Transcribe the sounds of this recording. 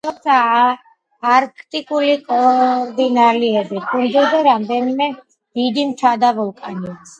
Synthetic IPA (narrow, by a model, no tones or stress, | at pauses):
t̪ʰɔmt̪sʰaː | ɾkʰt̪ʼikʼulikʼɔɾd̪inaliɛbikʰʼund̪ud̪aɾamd̪ɛnimɛ | d̪̥id̪imt͡ʃʰad̪avɔlˠkʼanias